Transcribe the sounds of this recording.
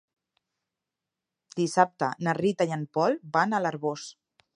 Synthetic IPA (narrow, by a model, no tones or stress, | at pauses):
d̪̥isap̚t̪ənərit̪ajənpɔlbanələɾβos